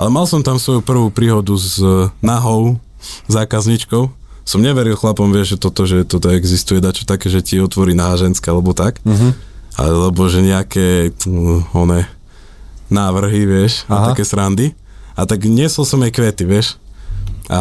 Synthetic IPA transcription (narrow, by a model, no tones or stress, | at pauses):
ʔalɛmalsɔmt̪amsʋɔjupr̩ʋuːpɾiːɦɔd̪uznaɦɔʊ | zaːkazɲit͡ʃkɔʊ | sɔmɲɛʋɛɾilˠxlapɔmʋɪɛʒʒɛt̪ɔt̪ɔʒɛt̪ɔt̪ɔɛɡzist̪ujɛd̪at͡ʃɛ̥t̪akɛʒɛciɔt̪ʋɔɾiːnaɦaʒɛnskɛalɛbɔt̪ak | a̰lɛbɔʒɛɲɛakɛː | ɔnɛ | naːʋr̩ɦiʋɪɛʃaakɛsɾand̪i | at̪aɡɲɛsɔlsɔmɛjkʋɛt̪iʋɪɛʃ | a̰